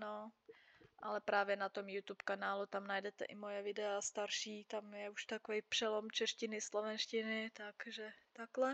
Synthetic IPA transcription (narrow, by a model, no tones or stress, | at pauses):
no | ʔalɛpɾaːvjɛnat̪omjut̪upkanaːlut̪amnajdɛt̪ɛ̰ʔɪmojɛvɪdɛast̪aɾʃiːt̪amjɛuʃt̪akovijpr̥ɛlomt͡ʃɛʃcɪnɪslovɛnʃcɪnɪt̪akʒɛt̪aklɛ